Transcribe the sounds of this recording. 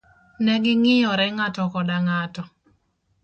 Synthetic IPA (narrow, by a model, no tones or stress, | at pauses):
nɛɡɪŋɪjɔɾɛŋatɔkɔdaŋatɔ